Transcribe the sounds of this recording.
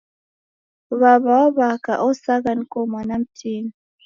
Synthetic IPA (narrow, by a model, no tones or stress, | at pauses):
βaβaaβakaʔosaɡankomanam̩tʰin